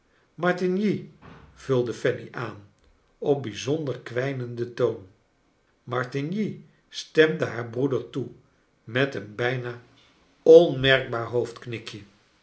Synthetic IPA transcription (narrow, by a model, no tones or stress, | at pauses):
mɑɹtɪnjiv̥ylˠdəfɛniʔaːn | ɔp̚bizɔndəɹkʋɛjnəndətown | mɑɹtinji | stɛmdəɦaːɹbrudəɹtu | mɛtənbɛjnaː | ɔnmɛɹɡ̚baːɹɦowftknɪkjə